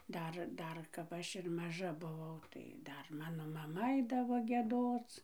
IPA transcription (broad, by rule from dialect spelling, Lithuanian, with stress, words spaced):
ˈdɐr ˈdɐr kɐp ˈɐʃ ɪr mɐˈʒɐ bʊˈʋɐʊ tɐɪ ˈdɐr ˈmɑːnoː mɐˈmɐ ˈɐɪdɐʋoː ɡʲiɛˈdoːt͡s